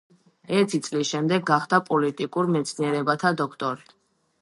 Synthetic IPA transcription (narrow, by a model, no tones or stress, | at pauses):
ɛɾt̪ʰit̪sʼlisʃɛmd̪ɛɡːaχd̪apʼɔlit̪ʼikʼuɾmɛt̪sʰniɛɾɛbat̪ʰad̪ɔkʰt̪ʼɔɾi